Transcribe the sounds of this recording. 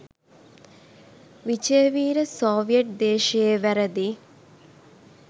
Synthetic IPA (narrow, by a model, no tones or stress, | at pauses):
ʋit͡ʃeːʋiːɾəsoːʋijeʈ̚d̪eːʃɐjeʋæɾəd̪i